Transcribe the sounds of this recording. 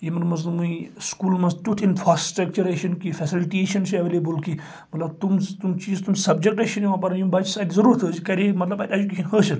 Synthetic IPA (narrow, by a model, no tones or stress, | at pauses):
jimɐnmɐznmuĩskuːlmɐst̪ʲuʈ̪ʰinfɾaːsʈɾɐk̚t͡ʃuɾeʃɐnkifɛsiliʈeːʃɐnsɐʋelebəlki | mɐt̪lɐb̚t̪umt̪umt͡ʃiːzt̪umsɐb̚d͡ʒek̚ʈɐʃɐnimɐ̃pɐɾɐnjũmbɐt͡ʃʰisaːd̪izɐɾuːɾt̪ʰɨd͡ʒikɐɾimɐt̪lɐbɐt̪ʲɐd͡ʒuk̬ʲeːʃʰɐnɦəːʃɐn